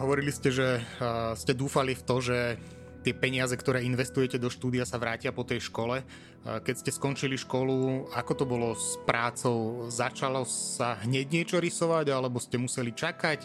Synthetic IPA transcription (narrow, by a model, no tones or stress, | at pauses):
ɦɔʋɔɾiliscɛʒɛscɛd̪uːfalift̪ɔʒɛ | t̪ɪɛpɛɲɪazɛkt̪ɔɾɛːinʋɛst̪ujɛcɛd̪ɔʃt̪uːd̪ijasaʋɾaːcɪapɔt̪ɛjʃkɔlɛ | kɛcscɛskɔnt͡ʃiliʃkɔluakɔt̪ɔbɔlɔspɾaːt͡sɔʊzat͡ʃalɔsaɦɲɛɟɲɪɛt͡ʃɔɾisɔʋaɟalɛbɔscɛmusɛlit͡ʃakac